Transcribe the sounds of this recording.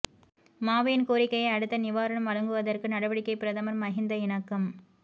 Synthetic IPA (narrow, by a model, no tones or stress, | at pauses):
maːʋiːnkoːɾɪkːɐjɐɪɐɽɯt̪ːɐnɪʋaːɾɐɳɐmʋɐɻɐŋɡɯʋɐðɐrkɯnɐɽɐʋɐɽɪkːɐɪpɪɾɐðɐmɐɾmɐɣɪnd̪ɐɪɳɐkːɐm